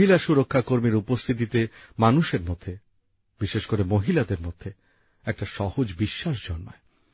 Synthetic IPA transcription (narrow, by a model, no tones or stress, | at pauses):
ilaʃuɾokʰːakoɾmiɾupost̪ʰit̪̬it̪emanuʃeɾmod̪ʱːe | biʃeʃkoɾemoɦilad̪eɾmod̪ʱːe | ɛk̚ʈaʃɔhod͡ʑbiʃːaʃd͡ʑɔnma̰e